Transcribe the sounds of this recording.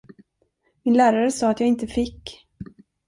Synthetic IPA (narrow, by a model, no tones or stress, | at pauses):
mɪnlæːɾaɾəsɑːat̪jɑːɪnt̪əfɪkː